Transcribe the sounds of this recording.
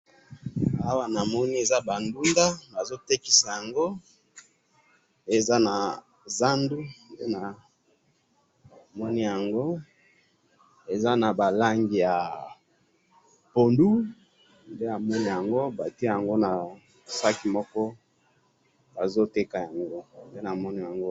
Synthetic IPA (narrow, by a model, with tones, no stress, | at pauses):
a˦wa˦na˨mɔ˦ni˦e˨za˦ba˨ndu˦nda˦ba˨zo˦te˦ki̥˨sa˨ja˨ŋɡo˦ | e˨za˦na˨ | za˦ndu˦nde˦na˨ | mɔ˦ni˦ja˨ŋɡo˦ | e˨za˦na˨ba˨la˦ŋɡi˨ja˨ | po˨ndu˦ | nde˦a˨mɔ˦ni˦ja˨ŋɡo˦ba˨ti˦a˦˨ja˨ŋɡo˦na˨ | sa˦ki˨mɔ˦kɔ˦ | ba˨zo˦te˦ka˨ja˨ŋɡo˦nde˦na˨mɔ˦ni˦ja˨ŋɡo˦